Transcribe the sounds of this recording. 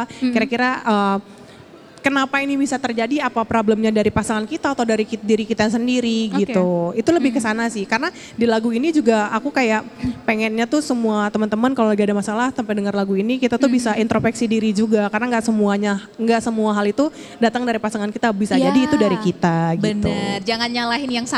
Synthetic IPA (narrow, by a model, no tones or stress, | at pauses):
kiɾakiɾaəː | kənapainibisat̪ərd͡ʒadiapapɾobləmɲadaɾipasaŋankit̪aːt̪awdaɾikidiɾikit̪asəndiɾiɡit̪uit̪uləbɪhkəsanasɪhkaɾəna | dilaɡuinid͡ʒuɡaakukajaʔpeŋɛnɲat̪usəmuat̪əmənt̪əmənkalolabiadamasalahsampajdəŋərlaɡuinikit̪at̪uhbisaʔint̪ɾofɛksidiɾid͡ʒuɡakarənaŋɡaʔsəmuaɲa | ŋɡaʔsəmuaɦalit̪u | dat̪əŋdaɾipasaŋankit̪abisad͡ʒadiːt̪udaɾikit̪aɡbənt̪ṵrd͡ʒaŋanɲalaɦɪnjaŋsa